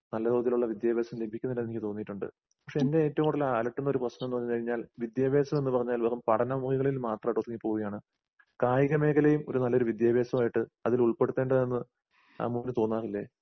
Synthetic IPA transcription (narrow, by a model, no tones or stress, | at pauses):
nɐlːɐðoːɐt̪ːiluɭːɐʋid̪jaːbe̞ːsɐmlebʱikʲːunːilːɐenikːɨt̪o̞ːnːijiʈːuɳɖɨ̰ | pɐkʂeende̞eːtːɐʋumoɽːɐlaːlɐʈːunːo̞ɾuprɐɕnɐmenːɨʋɐɲːɨkɐɻiɲːaːlʋid̪jaːbe̞ːsɐme̞nːɨpɐrɐɲːaːlʋeːɣɐmpɐɽʰɐnɐmuhiɣɐɭilmaːt̪rɐmʈːot̪ːuŋːipːo̞ːɣuɣɐjaːɳɨ | kaːjiɣɐme̞ːɣɐlejumo̞ɾunɐlːɐo̞ɾuʋid̪jaːbe̞ːsɐmaːjiʈːɨɐðiluɭpe̞ɽut̪ːeːɳɖɐðenːɨ | a̰ːmuːnːɨt̪oːnːaːɣilːe̞